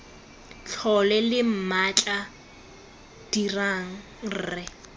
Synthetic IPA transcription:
ɬʰɔlɛlɪm̩mat͡ɬʼa | d̥iraŋ̩ | rɛ

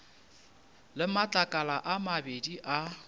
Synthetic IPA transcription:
lɪmat͡ɬʼakʼalaʔamabediʔa

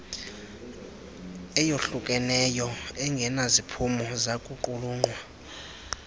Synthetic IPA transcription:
ɛjoɬukʼɛnɛjɔɛŋɡʱɛnazipʰumɔzakʼuǃuluːŋ͡ǃwa

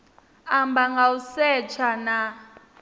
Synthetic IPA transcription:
ambaŋɡausɛt͡ʃʰana

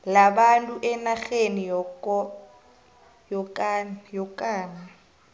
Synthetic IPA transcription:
labantʼuʔɛnaɣenijɔkɔ | jɔkʼːjɔkʼaːŋa

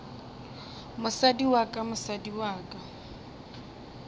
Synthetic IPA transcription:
mʊsadiwakʼamʊsadiwaːkʼa

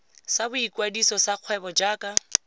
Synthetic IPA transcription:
sabʊikwadisɔsaq͡χʰwɛbɔd͡ʒaːkʼa

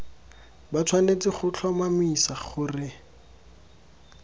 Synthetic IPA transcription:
bat͡sʰwanet͡sɪχʊt͡ɬʰɔmamisaχʊrɪ

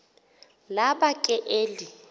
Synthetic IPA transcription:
laɓakʼɛʔeːli

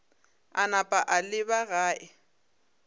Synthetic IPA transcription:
anapʼaʔalɪbaɣaːʔɪ

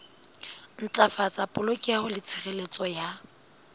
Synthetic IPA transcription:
n̩t͡ɬʼafat͡sʼapʼʊlokʼiahʊlɪt͡sʰɪχelet͡sʼɔja

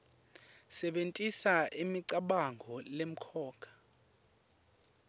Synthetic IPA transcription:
sɛɓentʼisaʔimiǀaɓaŋɡʱɔlem̩kʰɔːkʰḁ

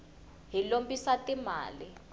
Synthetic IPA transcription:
ɦilombisatʼima̰ːli

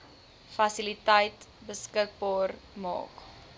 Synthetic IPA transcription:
fɐsilitəjtbəskək̚bɑːrmɑ̰ːk

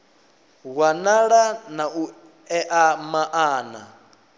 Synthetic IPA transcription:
ɣwanaɺanau | ɛʔamaʔaːna

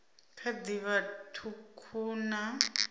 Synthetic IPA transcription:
kʰad̪iβatʰukʰuna

